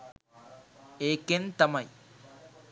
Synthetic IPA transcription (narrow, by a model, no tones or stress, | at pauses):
eːkent̪ɐmɐj